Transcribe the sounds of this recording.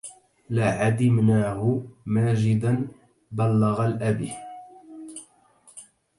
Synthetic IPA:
lɪʕad̪ɪmnaːhʊmaːd͡ʒɪd̪an | balːɑɣalʔabḭ

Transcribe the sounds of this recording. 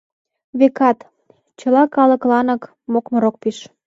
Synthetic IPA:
βekɑt̪ | t͡ɕə̆lɑkɑlə̆klɑnɤ̆k | mokməɾok̚piʃ

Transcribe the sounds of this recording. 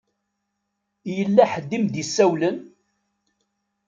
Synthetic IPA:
jəlːæħəd̪ːimd̪isːæwlən

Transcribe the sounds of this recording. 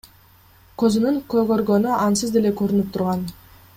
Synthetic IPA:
køzynyŋkøɡøɾɡø̞nyɑnsɯzd̪e̞le̞køɾynyp̚t̪ʰuɾʁɑn

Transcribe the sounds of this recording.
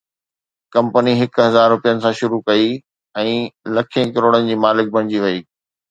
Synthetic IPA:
kɐ̃mpəniɦɪkʊɦɐzaːɾːʊpijənɪ̆sãʃʊɾukɐi | ɛ̃ːlɐkʰẽkɐɾoːɽənɪ̆d͡ʑiːmaːlɪk̚bʱɐ̃ɽ̃ɪd͡ʑiʋɐiː

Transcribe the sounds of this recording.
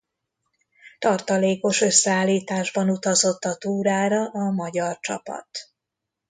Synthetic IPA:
t̪ɒrt̪ɒleːko̞ʃø̞sːɛaːlːiːt̪aːʒbɒnut̪ɒzo̞t̪ːɒt̪uːɾaːɾɒʔɒmɒɟɒrt͡ʃɒ̰pɒ̰t̪

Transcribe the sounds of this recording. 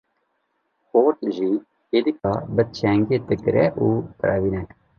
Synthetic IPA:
xoːɾt̪ʒi | ed̪ikɑbət͡ʃʰɛŋɡeːt̪ɨkɾɛʔuːt̪ɾɛ̰viːnɛ

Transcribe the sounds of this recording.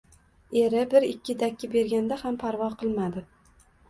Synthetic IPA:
e̞ɾɪbɪɾɪkʲːɪd̪akʲːɪbe̞ɾɡʲand̪ahampʰaɾvɒqʰɨlˠmad̪ɪ

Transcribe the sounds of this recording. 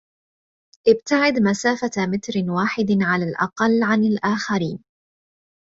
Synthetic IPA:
ʔɪb̚t̪aʕɪd̪masaːfamɪt̪ɾɪwaːħɪd̪ʕalaːlʔɑ̰qɑlːʕanɪlʔaːxaɾiːn

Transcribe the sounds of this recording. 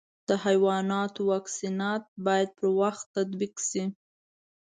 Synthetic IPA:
d̪̥əhajwɑnɑt̪owɑksinɑt̪̚bɑjad̪̚pʰəɾwaxt̪ːad̪biksi

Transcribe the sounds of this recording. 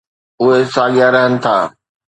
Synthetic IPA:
ʊɦesaːɠɪjaɾɐɦənɪ̆t̪ʰa̰ː

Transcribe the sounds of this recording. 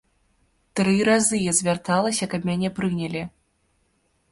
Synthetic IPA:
t̪ɾɨɾazɨjazʲvʲart̪alˠɐsʲɐkɐbmʲanʲɛpɾɨnʲɐlʲi

